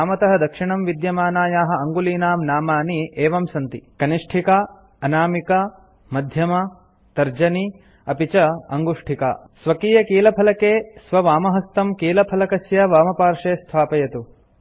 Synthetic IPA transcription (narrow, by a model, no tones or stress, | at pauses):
aːmɐt̪ɐɦɐ̆d̪ɐkʂiɳɐmʋid̪jɐmaːnaːjaːɦɐ̆ɐŋɡuliːnaːmnaːmaːniʔeːʋɐmsɐnt̪ikɐniʂʈʰikaː | ɐnaːmika | mɐd̪ʱjɐmɐ | t̪ɐɾd͡ʒɐni | ɐpit͡ʃɐɐŋɡuʂʈʰika̰ː | sʋɐkiːjɐkiːlɐpʰɐlɐkeːsʋɐʋaːmɐɦɐst̪ɐmkiːlɐpʰɐlɐkɐsjɐʋaːmɐpaːɾʂeːst̪ʰaːpɐjɐt̪u